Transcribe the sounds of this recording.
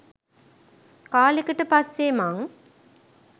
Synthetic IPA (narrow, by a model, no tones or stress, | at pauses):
kaːlikəʈəpasːemaŋ